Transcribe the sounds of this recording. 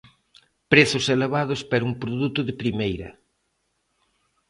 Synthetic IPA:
pɾeθʊseleβað̞ʊspaɾuŋpɾoðut̪ʊðɪpɾimejɾɐ̰

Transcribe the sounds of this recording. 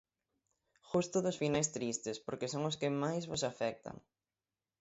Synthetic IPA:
ʃust̪ʊðʊsfinajst̪ɾist̪ɪspoɾkɪsoŋʊskɪmajzβʊsafɛk̚t̪a̰ŋ

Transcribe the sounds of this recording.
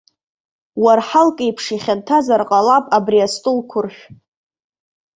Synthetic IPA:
warħalkʼejpʰʂiχʲantʰazarqʼalapʼabriastʼʊlkʷʰʊrʃʷᶣ

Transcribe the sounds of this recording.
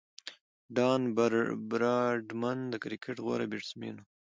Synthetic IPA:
ɖɑːnbɾbɾɑɖmand̪əkɾikʰeʈɣwa̰ɾa̰biʈsmḭno

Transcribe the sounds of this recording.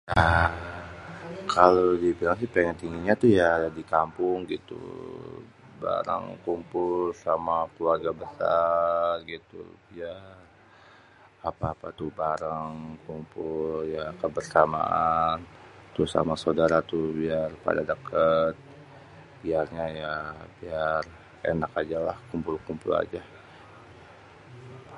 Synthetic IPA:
ʔə | kʰalodibilaŋsipeŋənt̪iŋɡiɲat̪uhjadikampʊŋɡit̪ṵ | ba̰ɾa̰ŋkumpʊlsamakəluarɡabəsarɡit̪ṵbia | apaːpat̪uhbaɾaŋkumpʊljakəbərsama̰ʔant̪usa̰masawdaɾat̪ubiarpa̰dadəkʰət̪̚ | biarɲajabiar | ḛnakad͡ʒalahkumpʊlkumpʊla̰d͡ʒa

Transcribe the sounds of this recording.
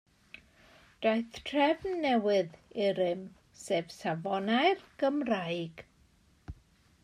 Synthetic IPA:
d̥ajθtʰrɛvnːɛwɪðɪɾɨm | seːv̥savɔnajrɡ̥əmrajɡ̥

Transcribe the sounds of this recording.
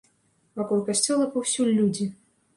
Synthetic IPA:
vakɔlˠkasʲt͡sʲɔlˠɐpɐwsʲulʲːud͡zʲi

